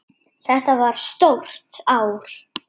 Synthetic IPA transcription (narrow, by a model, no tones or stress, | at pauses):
θɛht̪avaɾ̥st̪owr̥t̪aːwɾ̥